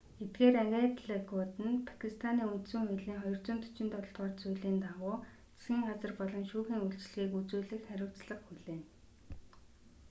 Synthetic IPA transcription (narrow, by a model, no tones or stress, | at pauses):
et̪̚ɡeːɾæŋɡʲet̪ɮekʊt̪ɘ̆npʰḁkʰist̪ʰaniːun̥t̪sɵ̆ŋxʊɮiːŋχɔjɞ̆r̥t͡sʊːnt̪ʰʊ̥t͡ɕɪ̆nt̪ɔɮ̆t̪̚ɢɔːrt͡sujɮiːnt̪awʊː | t͡sɡʲiːŋɢat͡sə̆rpɔɮɞ̆nʃuːxiːŋuɮt͡ɕɮɣiːkut͡suːɮɘ̆xχæɾʲʊːwʰt͡sɮə̆χxuɮeːn